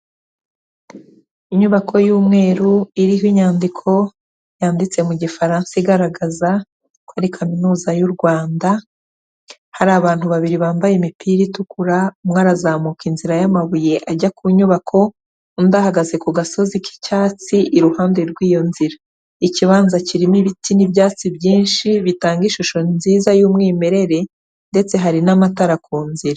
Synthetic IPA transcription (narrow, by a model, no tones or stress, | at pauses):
iɲuβakʰo̞juːmŋe̞ːɾuiɾiɦoiɲaːndikʰo̞ | jaːndit͡se̞muɟifaɾaːnsiɡaɾaɡaza | kwaɾikʰaminuːzajuɾɡwaːnda | haɾaːβaːnthuβaβiɾiβaːmbajemipʰiːɾitukuɾamŋaːɾazaːmukinziɾajamaβuje̞ʔaɟakʰuɲuβakʰo̞ | undahaɡaze̞kuɡaso̞ziki̥caːt͡siʔiɾuhaːnde̞ɾɡwiːjo̞nziɾa | iciβaːnzaciɾimiβitinibjaːt͡sibjiːnʃiβitaːŋɡiʃuʃo̞nziːzajuːmŋiːme̞ɾe̞ɾe̞ | nde̞t͡se̞ɦaɾinamataɾakʰuːnziɾa